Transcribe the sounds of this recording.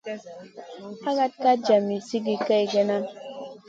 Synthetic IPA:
a˦ɡa˦t̚ka˦d͡ʒa˨mi˨si˦ɡi˨ka˦jɡe˦na˦

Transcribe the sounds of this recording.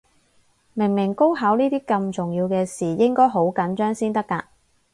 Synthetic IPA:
mɪ˨˩ŋmɪ˨˩ŋko˥wɦɐ˨˥wniː˥t̪iː˥kɐ˧mt͡sʊ˨˩ŋjiː˧wkɛː˧siː˨˩jɪ˥ŋkɔː˥jɦo˨˥wkɐ˨˥nt͡ʃœː˥ŋsiː˥nt̪ɐ˥kːaː˧

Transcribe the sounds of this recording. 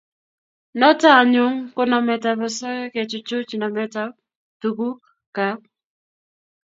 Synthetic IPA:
nɔ˦ta˦˨ɲʊ˦ŋkʊ˦nɔ˨mɛ˨ta˨bɔ˨sɔ˦kɛ˦ke˨t͡ʃʊ˨t͡ʃʊ˦t͡ʃnɔ˨mɛ˦ta˦ | tu˨ku˦k | ka˨˦

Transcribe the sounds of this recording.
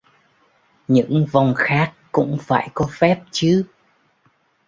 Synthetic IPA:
ɲɨ̰˧˥ŋva˨˩wŋ͡mxaː˦˥kːʊ̰˧˥ŋ͡mfaː˧˩jkɔ˨˦fɛ˦˥p̚t͡ɕɨ˨˦

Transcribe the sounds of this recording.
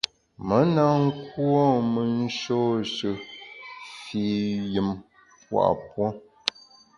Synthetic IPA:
mə˨˦na˦ŋ̩˦kwɔ˦mə˨n̩˦ʃo˦ʃə˨ | fi˨jɨ˨m | pwa̰˨ʔpwɔ˦

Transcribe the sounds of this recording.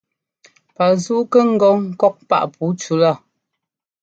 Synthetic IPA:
pa˨zuː˦kə˦ŋ̩˦ɡɔ˦ŋ̩˨kɔ˦k̚pa̰˦ʔpʰu˨˦t͡ʃu˦la˦˨

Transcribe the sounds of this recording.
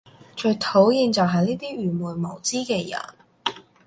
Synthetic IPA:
t͡ʃɵ˧t̪ʰo˨˥wjiː˧nt͡sɐ˨wɦɐ˨jniː˥t̪iː˥ɥyː˨˩muː˨˩jmo˨˩wt͡siː˥kɛː˧jɐ̰˨˩n

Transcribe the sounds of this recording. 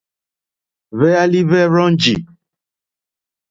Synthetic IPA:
βɛ˦a˦li˦βɛ˦ɾɔ̃˦n˦d͡ʒḭ˨

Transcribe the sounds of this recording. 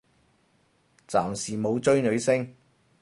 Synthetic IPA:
t͡saː˨˩msiː˨˩mo˨˧wt͡ʃɵ˥ɥnɵ˨˧ɥsɪ˥ŋ

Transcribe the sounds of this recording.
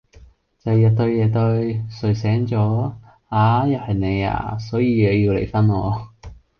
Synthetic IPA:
t͡sɐ˨˧jjɐ˨˧t̚t̪ɵ˧ɥjɛː˨˧t̪ɵ˧ɥsɵ˨˩ɥsɛː˨˥ŋt͡sɔː˨˥ | aː˨˥jɐ˨˩hɐ˨jne˨˧ja̰ː˧sɔː˨˥jiː˧jɛ˨˧ji˧wlḛ˨˩jfɐ˥nɔː˧

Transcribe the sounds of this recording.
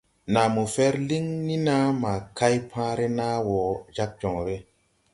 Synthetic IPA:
na˨mo˨fɛ˦ɾli˦ŋni˦na˦ma˨ka˦jpʰãː˦ɾe˦na˦wɔ˨d͡ʒa˦k̚d͡ʒɔ˨ŋɾe˦

